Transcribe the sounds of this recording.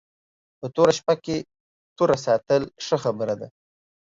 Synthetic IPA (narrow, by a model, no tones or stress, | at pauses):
pət̪oɾaʃpake | t̪oɾas̬ɑt̪əlʂəxabəɾad̪a̰